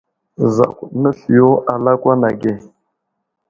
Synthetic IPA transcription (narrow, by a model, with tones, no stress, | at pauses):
za̰˨kʷu˨ɗnə˦ɬi˨jo˦a˨la˦kʷa˦na˨ɡe˦˨